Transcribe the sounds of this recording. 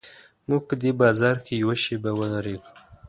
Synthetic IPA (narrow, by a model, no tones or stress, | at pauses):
muɡ̚pəd̪ebɑzɑɾkʰejawaʃebawəlaɾed̪u̥